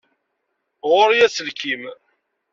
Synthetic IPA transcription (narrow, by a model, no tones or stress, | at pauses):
ʁʊɾjæsəlkim